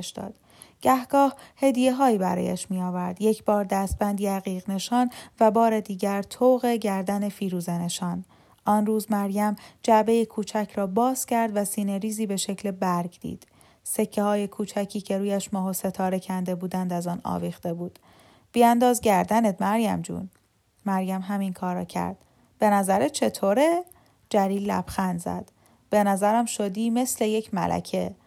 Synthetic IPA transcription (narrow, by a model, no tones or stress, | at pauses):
ʃd̪ɒ̰ːd̪̥ | ɟ̥æhɡ̥ɒːhhe̞d̪ije̞ɦɒːiːbæ̰ɾɒ̰ːjæ̰ʃmijɒːvæɾd̪je̞cʰbɒːɾd̪æst̪̚b̥ænd̪iːæɣiːɣne̞ʃɒːnvæbɒːɾe̞d̪iːɟæɾt̪ʰoːɣe̞ɟæɾd̪æne̞fiːɾuːzene̞ʃɒːn | ʔɒnruːzmæɾjæmd͡ʒæbe̞jikʰuːt͡ʃʰæcʰɾɒːbɒːz̥cʰæɾd̪væsiːneɾiːziːbe̞ʃecʰle̞bæɾɡd̪̥ḭːd̪̥ | se̞cʰːehɒːjekʰuːt͡ʃʰæcʰiːcʰe̞ɾuːjæʃmɒːɦose̞t̪ʰɒːɾe̞cʰænd̪e̞buːd̪ænd̪æzɒːnɒ̰ːviːxt̪e̞buːd̪̥ | b̥iænd̪ɒːzɟæɾd̪æned̪mæɾjæ̰md͡ʒṵːn | mæɾjæmɦæminkʰɒːɾːɒ̰ːcʰæ̰ɾd̪̥ | b̥e̞næzæɾet͡ʃʰe̞t̪ʰoːɾe | d͡ʒæɾiːlːæ̰b̥xænd̪zæ̰d̪̥ | b̥e̞næzæɾæmʃod̪iːme̞sle̞je̞cʰmæ̰lʔæ̰cʰe̞